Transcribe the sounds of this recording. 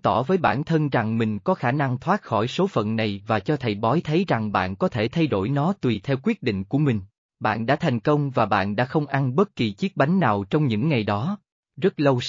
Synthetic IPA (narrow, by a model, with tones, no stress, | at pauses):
t̪ɔ˧˩vəː˨˦jɓa̰ː˧˩nt̪ʰə˧nza˨˩ŋmï˨˩ŋ̟kɔ˨˦xaː˧˩na˧ŋt̪ʰwaː˦˥t̚xɔ˧˩jso˨˦fə̰˧˨nna˨˩jvaː˨˩t͡ɕɔ˧t̪ʰə˨˩jɓɔ˨˦jt̪ʰə˨˦jza˨˩ŋɓa̰ː˧˨nkɔ˨˦t̪ʰe˧˩t̪ʰa˧jɗo˧˩jnɔ˨˦t̪wi˨˩t̪ʰɛ˧wkwi˦˥ət̚ɗḭ̈˧˨ŋ̟ku˧˩əmï˨˩ŋ̟ | ɓa̰ː˧˨nɗa̰ː˧˥t̪ʰa˨˩jŋ̟kə˧wŋ͡mvaː˨˩ɓa̰ː˧˨nɗa̰ː˧˥xə˧wŋ͡mʔa˧nɓə˦˥t̚ki˨˩t͡ɕi˦˥k̚ɓa˨˦jŋ̟naː˨˩wt͡ɕɔ˧wŋ͡mɲɨ̰˧˥ŋːa˨˩jɗɔ˨˦ | zə˦˥t̚lə˧w